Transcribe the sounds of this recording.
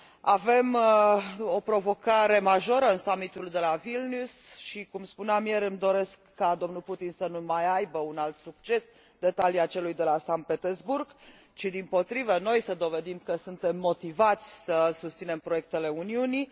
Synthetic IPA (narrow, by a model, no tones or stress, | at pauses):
ave̞m | o̞pɾo̞vo̞kaɾe̞maʒo̞ɾəɨnsamit̪uld̪e̞lavilnusʃikumspuneamje̞ɾɨmd̪o̞ɾe̞skːad̪o̞mnulput̪insənumajajbəunalt̪suk̚t͡ʃe̞s | d̪̥e̞t̪aliat͡ʃe̞lujd̪e̞lasant̪̚pe̞t̪erzburɡ | t͡ʃid̪impo̞t̪ɾivəno̞jsəd̪o̞ve̞d̪imkəsunt̪e̞mːo̞t̪ivat̪sʲsəsust̪sine̞mpɾo̞je̞k̚t̪e̞le̞uniuni